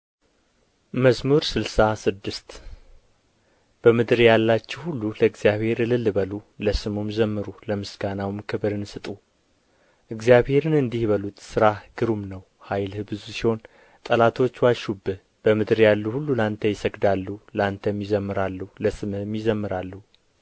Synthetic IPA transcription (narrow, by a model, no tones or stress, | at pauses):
məsmuɾsɨlsasɨd̪ːɨst̪ | b̥əmɨd̪ɨɾjalːat͡ʃːɛwhulːuləɨɡzijaβhe̞ɾɨlɨlːɨβəluləsɨmumzəmːɨɾuləmɨsɡanawɨmkʰɨβɾɨnsɨt̪ʼu | ʔɨɡzjaβhe̞ɾɨnɨnd̪ihβəlut̪sɨɾahɨɡ̥ɨɾumnəw | hajlhɨbɨzusiho̞n | t̪ʼəlat̪ʰo̞t͡ʃːwalʃubɨ | b̥əmɨd̪ɨɾjalːuhulːulant̪ʰəjɪsəɡd̪alːulant̪ʰəmjizəmːɨɾalːuhləsɨmɨmːjizəmːɨɾalːu